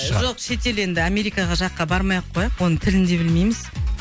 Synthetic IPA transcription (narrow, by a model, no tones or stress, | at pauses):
ʃʒoqʃe̞t̪e̞le̞nd̪ɪame̞ɾijkɑʁɑʒɑqːɑbɑɾmɑjɑqʰːojɑqwo̞nəɴt̪ʰɪlɪnd̪e̞bɪlme̞jmɪz̥